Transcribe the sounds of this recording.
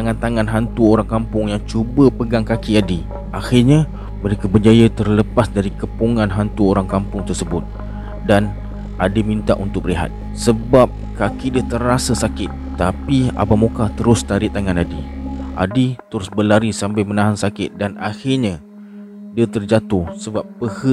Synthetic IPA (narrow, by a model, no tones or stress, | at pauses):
t̪aŋant̪aŋanɦant̪uoɾaŋkampʊŋjaŋt͡ʃubəpəɡaŋkakiadi | ʔaxɪrɲa | məɾekabəd͡ʒajat̪ərləpasdaɾikəpuŋãnɦant̪uoɾaŋkampʊŋt̪ərsəbʊt̪̚ | dan | ʔadimĩnt̪a̰ʔunt̪ʊk̚liɦa̰t̪̚ | səbap̚ | kakidiət̪ərasəsakɪt̪̚ːapia̰bamukat̪əɾʊst̪aɾiʔt̪aŋãnadiʔa̰dit̪əɾʊsbəlaɾisambamənãɦansakɪt̪̚danaxɪrɲa | diət̪ərd͡ʒat̪ʊhsəbap̚ːpəhə